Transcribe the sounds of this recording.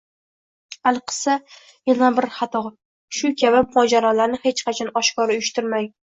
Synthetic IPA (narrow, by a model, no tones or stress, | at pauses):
alˠqʰɨ̥sa | janabɪɾχɑt̪ʰɒ | ʃʊkʲʰabɪmʊɒd͡ʒaɾɒlaɾnɪhet͡ʃqʰɑt͡ʃʰɒnɒʃkɒɾʊjʊʃt̪ɪɾmaj